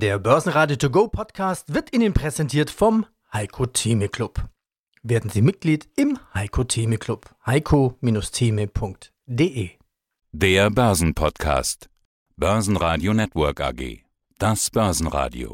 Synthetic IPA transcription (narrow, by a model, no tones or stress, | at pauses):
d̥eːɐbœɐzn̩ʁaːdjotʰuɡoːpʰɔtkʰaːstv̥ɪɐtʔɪnənpʁ̥ɛzɛntʰiːɐtfɔm | haɪkʰotʰiːməkl̥ʊp | veːɐdn̩ziːmɪt̚ɡ̥liːtɪmhaɪkʰotʰiːməkʰlʊphaɪkʰomiːnʊstʰiːməpʰʊŋkt | d̥eːʔeː | d̥eːɐbœɐzn̩pʰɔtkʰa̰ːst | b̥œɐzn̩ʁaːdjonɛtv̥œɐka̰ɡḛː | d̥asb̥œɐzn̩ʁa̰ːdḭo̰